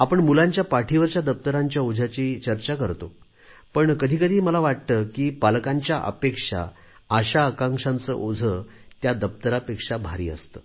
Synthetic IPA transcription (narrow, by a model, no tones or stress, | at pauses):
apəɳmulãɲt͡ɕjapaʈʰiʋəɾt͡ɕjad̪əp̚t̪əɾaɲt͡ɕjaod͡zʱat͡ɕiːt͡ɕəɾt͡ɕakəɾt̪o | pəɳkəd̪ʱiːkəd̪ʱiːməlaʋaʈ̚t̪əkiːpalkaɲt͡ɕjaʔə̰pekʂa̰ | əɕaːkãŋkʂãnt͡sə̰ʔod͡zʱə | t̪jad̪əp̚t̪əɾapekʂabʱaɾḭːə̰st̪ə